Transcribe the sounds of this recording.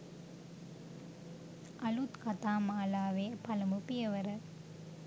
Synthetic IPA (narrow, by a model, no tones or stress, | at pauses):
ʔɐlut̪kɐt̪aːmaːlaːʋeːpɐlɐmupɪjɐʋɐɾɐ